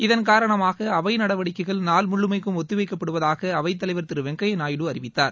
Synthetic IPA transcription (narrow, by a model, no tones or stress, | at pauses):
ɪðɐnk̬aːɾɐɳɐmaːɣɐɐʋɐɪnɐɽɐʋɐɽɪkːɐɪɣɐɭnaːlmʊɭːɯmɐɪkːɯmɔt̪ːɯʋɐɪkːɐpːɐɽɯʋɐðaːɣɐɐʋɐɪt̪ːɐlɐɪʋɐɾt̪ɪɾɯʋɛŋɡɐjɐnaːjɪɽɯɐɾɪʋɪt̪ːaːɾ